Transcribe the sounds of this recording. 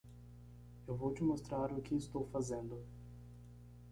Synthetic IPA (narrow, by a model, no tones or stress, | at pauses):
ewvowt͡ʃɪmost̪ɾaɾʊkɪːst̪owfazẽnd̪ʊ